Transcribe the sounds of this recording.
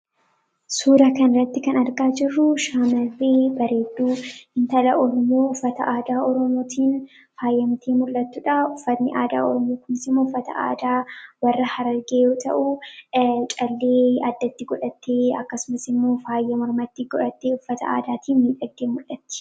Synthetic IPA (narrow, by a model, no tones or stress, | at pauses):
suːɾɐkɐnrːɐt̪ːɪkɐnɐɾɡaːd͡ʒɪrːʊʃaːmɐrːeːbɐɾe̞ːd̪ːuːhɪnt̪ɐlɐʔɔɾɔmjoːʊfːɐt̪ɐʔaːd̪aːɔɾɔmoːt̪ʰiːn | faːjːɐmɪt̪ʰeːmʊlʔːɐt̪ːuᶑaʊfːɐnːɪ̰ʔaːd̪a̰ːɔ̰ɾɔmoːkʊmɪsɪmːoːʊfːɐt̪ɐ̰ʔa̰ːd̪aːwɐrːɐhɐɾɐɾɡeːjo̞ːt̪ɐ̰ʔu | t͡ʃʼɐlːe̞ːɐd̪ːɐt̪ːɪɡɔᶑɐt̪ːeːɐkːɐsʊmɐsɪmːo̞ːfaːjːɐmɔɾmɐt̪ːɪɡɔᶑɐt̪ːeːʊfːɐt̪ɐ̰a̰ːd̪aːt̪ʰiːnmiːᶑɐɡdeːmʊlʔɐt̪ːɪ̥